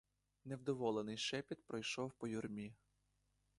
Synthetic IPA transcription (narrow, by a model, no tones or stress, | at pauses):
newd̪ɔʋɔlˠenɪjʃɛpʲit̪̚pɾɔjʃɔwpɔjʊrmʲi